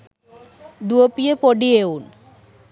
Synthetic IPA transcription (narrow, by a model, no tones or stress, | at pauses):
d̪uopiepoɖieun